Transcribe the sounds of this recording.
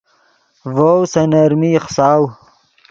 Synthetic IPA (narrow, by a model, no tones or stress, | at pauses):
vowsɐnɐɾmiχsɑːw